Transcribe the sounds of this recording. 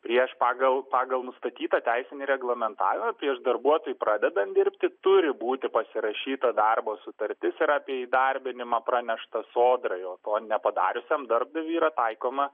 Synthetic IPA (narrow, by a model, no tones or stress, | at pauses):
pʲɾʲiɛʃpɑːɡɐlˠpɑːɡɐlˠnʊst̪ɐt̪ʲiːt̪ɐt̪ʲæɪsʲɪnʲɪɾʲɛɡlˠɐmʲɛnt̪ɑ̰ːʋʲɪmɐpʲɾʲiɛʃd̪ɐrbuɔt̪oːjupɾɑːd̪ʲɛd̪ɐnd̪ʲɪɾʲpʲt̪ʲɪt̪ʊɾʲɪbuːt̪ʲɪpɐsʲɪɾɐʃʲiːt̪ɐd̪ɐrboːsʊt̪ɐɾʲt̪ʲɪsɪɾɑːpʲiɛiːd̪ɐrʲbʲɪnʲɪmɑpɾɑnʲɛʃt̪ɐsoːd̪ɾɐɪoːt̪oːnʲɛpɐd̪ɑ̰ːɾʲʊsʲɛmd̪ɐrb̚d̪ɐʋʲiːɾɐt̪ɐɪkoːmɐ